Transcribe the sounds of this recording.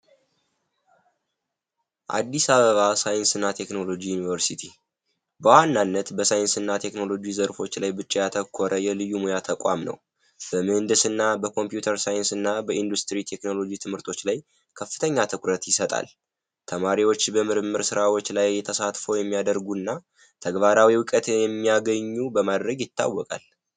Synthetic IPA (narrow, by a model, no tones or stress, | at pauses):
ʔa̰d̪ːisaβəβasajɨnsɨnːat̪ʰe̞kno̞lo̞d͡ʒijunivəɾsit̪ʰi | bəwanːanːət̪bəsajɨnsɨnːat̪ʰe̞kno̞lo̞d͡ʒizəɾfo̞t͡ʃːlajbɨt͡ʃʼːijat̪ʰəkʰːoɾʔəjɛlɨjːumojat̪ʰəkʼa̰mnə̰w | bəmɨhɨnd̪ɨsɨnːabəkʰo̞mpjut̪ʰəɾsajɨnsɨnːabəʔind̪ust̪ɾit̪ʰe̞kno̞lo̞d͡ʒit̪ʰɨmhɨɾt̪ʰo̞t͡ʃːlaj | kʰəfːɨt̪ʰəɲːat̪ʰɨkʷʼɾət̪jɪsət̪ʼa̰l | t̪ʰəmaɾiwo̞t͡ʃːbəmɨɾɨmːɨɾsɨɾawo̞t͡ʃːlajːɛt̪ʰəsat̪fəwjɛmːijad̪əɾɡunːa | t̪ʰəɡβaɾawiwɨkʼət̪jɛmːijaɡəɲːubəmad̪ɾəɡjɪt̪ːa̰wːɔkʼa̰l